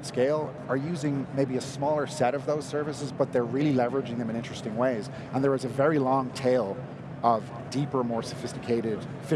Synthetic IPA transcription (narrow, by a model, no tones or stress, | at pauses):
skeɪlˠ | ə˞jʉzɪ̃ŋmeɪbiɨsmɔːlˠə˞sɛɾʌvðoʊz̥sɜ˞vɨsɨzbʌt̪̚ðə˞ɹɪlˠilɛvə˞ɨd͡ʒɪ̃ŋðɨ̃mɨ̃nɪ̃nt͡ʃɹ̥ɨstɪ̃ŋweɪz | ə̃nðə˞ɨzəvɛɹilɔ̃ŋtʰeɪlˠ | ʌv | dipə˞mɔɹsəfɪstɨkʰeɪɾɪd̥ | fɪ